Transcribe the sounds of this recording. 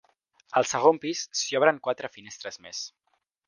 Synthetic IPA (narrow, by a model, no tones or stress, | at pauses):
əlˠsəɣ̞ompissiɔβɾəŋkwat̪ɾəfinest̪ɾəzmḛs